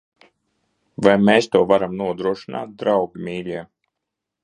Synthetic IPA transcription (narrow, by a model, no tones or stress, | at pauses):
vajmɛːst̪uɔvaɾamnuɔd̪ɾuɔʃina̰ːt̪̚d̪ɾawbʲimʲiːɾʲiɛ